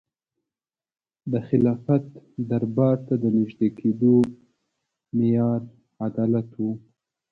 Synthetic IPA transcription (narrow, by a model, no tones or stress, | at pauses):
d̪əxɪlɑfat̪d̪aɾbɑɾt̪ad̪ənɪʒd̪ekʰed̪o | mɪjɑɾ | ad̪ɑlat̪wu